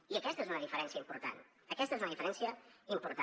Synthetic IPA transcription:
iəkɛst̪əezunəðifəɾɛnsiəimpuɾt̪a̰n | əkɛst̪əezunəðifəɾɛnsiəimpuɾt̪

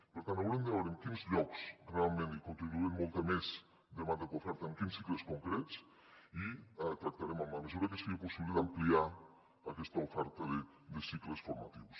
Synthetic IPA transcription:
peɾt̪ant̪awɾemd̪eβeɾeŋkinzʎɔksrealˠmẽnt̪ikont̪ɾiβuemːolˠt̪amez | d̪emãnd̪akofɛɾt̪aeŋkinsːikleskoŋkɾett͡s | it̪ɾak̚t̪aɾemamamesuɾakeseɾiaposiβliad̪amplia | akɛst̪aofɛɾt̪aðe | d̪esiklesfoɾmat̪iws

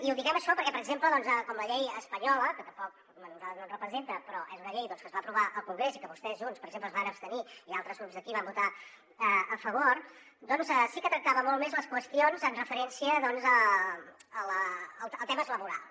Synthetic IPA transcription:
iuðiɣɛməʃɔpəɾkɛpəɾəɡzempləðɔnzəkɔmləʎɛjəspəɲɔləkət̪əmpɔk̚ | mənənənrəpɾəzent̪əpɾɔʔezunəʎejðɔnskəzβaəpɾuβaʔəlˠkuŋɡɾesikəβust̪ɛzʒunspəɾəɡzempləzβanəpst̪əniialˠt̪ɾəzɣɾupzðəkiβambut̪a | əəfəβoɾ | d̪ɔnzəsikət̪ɾək̚t̪aβəmɔlˠmezləskwəst̪ionzənrəfəɾɛnsiəðɔnzə | ələlˠəlˠt̪ɛməezləβuɾa̰lˠ

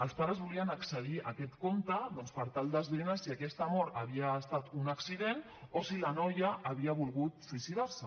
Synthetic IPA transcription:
əlˠspaɾəzβuliənəksəð̞iəkɛt̪komt̪əðɔnspəɾt̪alˠd̪əzβɾinasiəkɛst̪əmɔɾəβiəːst̪at̪unəksiðen | osilanɔjəːβ̞iəβulˠɣut̪suisiðaɾsə

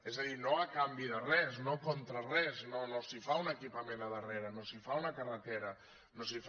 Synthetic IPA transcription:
ɛzaðinoakambiðərɛsnokont̪ɾarɛznonosifaunəkipamẽnaðəreɾənosifaunakarət̪eɾɐ | nosif

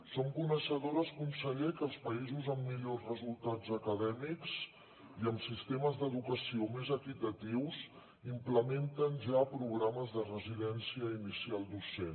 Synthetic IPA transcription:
somkunəʃəðoɾəskunsəʎekəlˠspəizuzəmːiʎozrəzulˠt̪ad͡zəkəðɛmiks | iəmsist̪eməzðəðukəsiomezəkit̪ət̪iwz | impləment̪ənʒapɾuɣɾaməzðərəziðɛnsiəinisialˠd̪usen

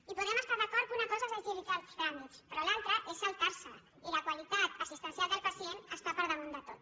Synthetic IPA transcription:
ipuðɛməst̪aɾðəkɔɾkunəkɔzəsalt̪ilikaltɾamit̪spɾɔlalˠt̪ɾəʔesalˠt̪aɾsə | iləkwalit̪at̪əsist̪ənsijalˠd̪əlˠpəsienəst̪apəɾðəmund̪ət̪ot̪

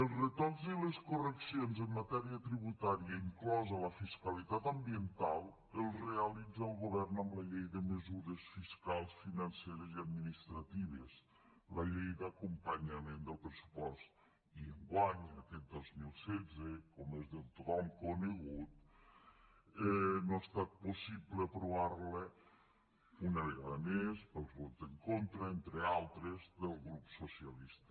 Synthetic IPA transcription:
əlˠzrət̪ɔziləskurəksionzəmːat̪ɛɾiət̪ɾiβ̞ut̪aɾiəiŋklɔzələfiskalit̪at̪əmbiənt̪alˠ | əlˠreəlid͡zalˠɣoβɛrnəmləʎejðəməzuɾəsfiskalˠsfinanseɾəziad̪minist̪ɾat̪iβ̞əs | ləʎejd̪akumpaɲamend̪əlˠpɾəsu̥pɔst̪ | iəŋɡwaɲnəkɛt̪̚d̪ozmilˠsɛd͡zəkomezðəlt̪ut̪ɔmkunəɣut̪ | ɛnoast̪at̪̚posipləpɾuβaɾlə | unəβəɣaðəmespəlˠzβɔt̪əŋkont̪ɾəent̪ɾealˠt̪ɾəzðəlˠɣɾupsosiəlist̪ə̥

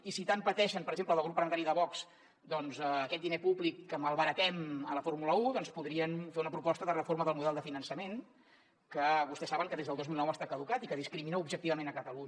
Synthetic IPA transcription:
isit̪ampət̪ɛʃəmpəɾəɡzempləðəlɣɾupələnt̪aɾiðəβɔks | d̪ɔnzəːkɛt̪̚d̪inepublikːəməlˠβəɾək̪ɛmələfoɾmuləuðɔnspuðɾiənfeunəpɾupɔst̪əðərəforməðəlˠmuðɛlˠd̪əfinənsəmen | kəβust̪ɛsːaβəŋkəðezðəlˠd̪ozmilˠnɔwəst̪akəðukat̪ikəðiskɾiminəubʒək̚t̪iβəmenəkət̪əluɲ

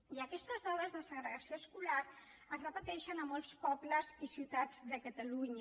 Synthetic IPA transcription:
iəkɛst̪əzðaðəzðəsəɣɾəɣəsioəskulaɾ | əzrəpət̪ɛʃənəmɔlˠspɔbləzisiwt̪ad͡zðəkət̪əluɲ

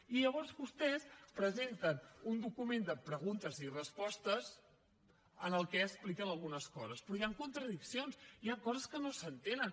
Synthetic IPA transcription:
iʎəβ̞ɔɾzβust̪ɛspɾəzent̪ənund̪ukumend̪əpɾəɣ̞unt̪əzirəspɔst̪əz | ənəlˠkɛəsplikənəlˠɣunəskɔzəspɾɔjaŋkunt̪ɾəðiksionsiaŋkɔzəskənosənt̪enən

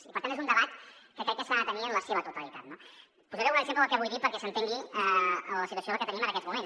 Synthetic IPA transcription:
ipəɾt̪ant̪ezund̪əβat̪kəkɾɛtkːɛsklanat̪əniənləseβət̪ut̪əlit̪at̪̚no | puzəɾɛwunəɡzempləəlˠkɛβujðipəɾkɛsənt̪eŋɡiəələsit̪wəsoləkɛt̪ənimənəkɛzmumen

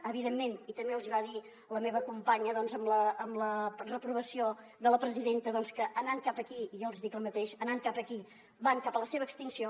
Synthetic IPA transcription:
əβiðemːenit̪əmbeəlˠziβaði | ləmeβəkumpaɲəðɔnzəmləːmlərəpɾuβ̞əsio | ðələpɾəziðent̪əðɔnskəʔənaŋkapəkiijolˠziðikləmət̪eʃənaŋkapəki | baŋkapələseβəːkst̪insio

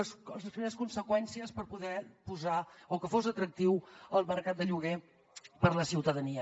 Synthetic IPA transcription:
szəspɾimeɾəskunsəkwɛnsiəspəɾpuðɛpuzaokəfozət̪ɾək̚t̪iwəlˠməɾkat̪̚d̪əʎuɣe | pəɾləsiwt̪əðəniə

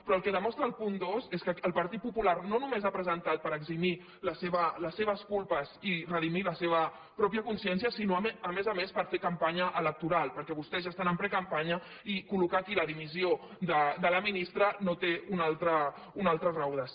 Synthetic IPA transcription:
pɾɔəlˠkɛðəmɔst̪ɾəːlˠpund̪ozeskəəlˠpɐɾt̪it̪̚pupularnonumezapɾəzənt̪at̪̚pəɾəɡzimi | ləseβələsːeβ̞əskulˠpəzirəðimiləseβə | pɾɔpjəkunsiɛnsijəsinoəmezəmespəɾfekəmpaɲəʔələk̚t̪uɾalˠpəɾkɛβust̪ɛzʒast̪anəmpɾɛkəmpaɲə | ikulukakiləðimiziod̪əd̪ələminist̪ɾənot̪eunalˠt̪ɾə | unalˠt̪ɾəzrawðəs

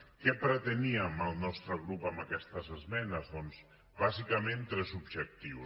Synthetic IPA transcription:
kɛpɾət̪eniəməlˠnɔst̪ɾəɣ̞ɾupamakɛst̪əzəzmɛnəzðɔnz | βazikamẽnt̪ɾɛzubʒək̚t̪iw

